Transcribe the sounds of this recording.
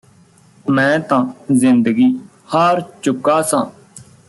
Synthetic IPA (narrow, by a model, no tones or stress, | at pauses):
mɛ̃ːt̪ãːzɪ̃nd̪əɡiː | haɾt͡ʃʊkːaːsãː